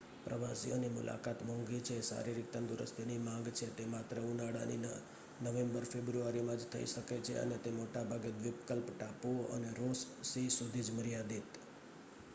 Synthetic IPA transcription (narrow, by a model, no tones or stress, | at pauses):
pɾəʋasionimʊ̰lʔa̰kat̪mɔ̃ŋɡit͡ʃʰesa̰ɾiɾik̚t̪ənd̪uɾə̰st̪ʰenimãŋ̆ɡt͡ʃʰet̪emat̪ɾəunaɽa̰nḭ | nəʋembəɾfebɾuaɾimãd͡ʒt̪ʰə̰ḭʃəket͡ʃʰḛə̰net̪emoʈabʱaɡet̪ʋɪpkəlpʈapuə̰neɾos | sisud̪ʱid͡ʒməɾijad̪it̪